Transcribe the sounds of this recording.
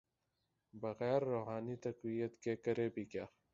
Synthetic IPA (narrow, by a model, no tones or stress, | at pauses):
bɐɣɛːɾːoːɦaːnit̪ɐqwijət̪keːkɐɾeːbikjaː